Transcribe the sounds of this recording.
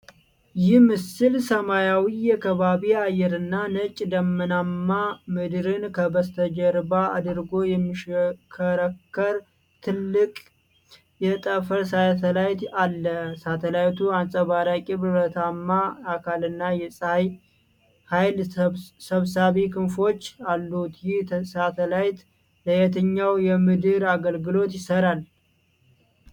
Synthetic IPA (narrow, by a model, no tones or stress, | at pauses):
jɪhmɨsɨlsəmajawijakʰəβaβiajːɛɾɨnːanət͡ʃʼd̪əmːɨnamːamɨd̪ɾɨnkʰəbəst̪ʰəd͡ʒəɾbaa̰d̪ɨɾɡo̞jɛmːiʃkʰəɾəkːəɾ | t̪ʰɨlːɨkʼ | jɛt̪ʼəfəɾsajt̪ʰəlajt̪alːəsat̪ʰəlajt̪ʰuansʼəβaɾakʼiβbət̪ʰamːaakʰalɨnːajɛsʼaj | hajlsəβsaβikʰɨnfo̞t͡ʃːalːut̪jɪh̪sat̪ʰəlajt̪ | ləjɛt̪ʰəɲːawjɛmɨd̪ɨɾaɡəlɡɨlo̞t̪jɪsəɾal